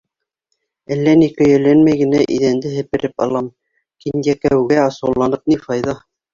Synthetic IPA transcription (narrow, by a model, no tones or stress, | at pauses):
ælːænikɵ̆jæ̆lːænmæjɡɘ̆næʔiðænd̪ɘɦɘ̆pɘ̆ɾɘpɑ̰lˠɑm | kinjækæwɡæɑsɤ̆wlˠɑnɤp̚nifɑjðɑ